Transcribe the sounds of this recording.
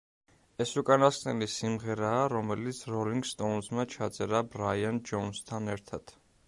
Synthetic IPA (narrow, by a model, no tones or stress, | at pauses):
ɛsukʼanaskʼnɛlisimʁɛɾaːɾɔmɛlit̪sʰɾɔliŋɡst̪ʼɔnzmat͡ʃʰat̪sʼɛɾabɾajand͡ʒɔnst̪ʰanɛɾt̪ʰat̪ʰ